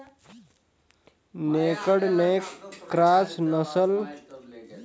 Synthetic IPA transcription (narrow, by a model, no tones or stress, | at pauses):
nekəɽmekɾaːsnəsəl